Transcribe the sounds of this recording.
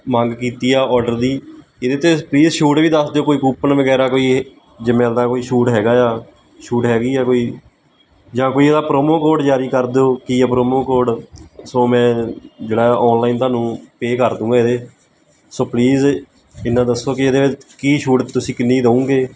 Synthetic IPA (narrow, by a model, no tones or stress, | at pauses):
mə̃ŋɡkiːt̪iːaːɔːɖəɾd̪iː | ed̪eːt̪epliːzʃuːʈʋiːd̪əsd̪eoːkoːiːkuːpənʋəɡɛːɾaːkoːiː | d͡ʒɪmɛ̃ːd̪aːkoːiːʃuːʈɦɛːɡaːaː | ʃuːʈɦɛːɡiːaːkoːiː | d͡ʒãːkoːiːeːd̪aːpɾoːmoːkoːɖd͡ʒaːɾiːkəɾd̪eːoːkiːaːpɾoːmoːkoːɖsoːmɛ̃ːd͡ʒeːɽaːɔːnlaːiːnt̪ʊaːnũːpeːkəɾd̪ũːɡaːed̪eː | soːpliːz | ɪnːãːd̪əsːoːkɪed̪eːʋɪt͡ʃkiːʃuːʈt̪ʊsĩːkɪnːiːiːd̪əũːɡeː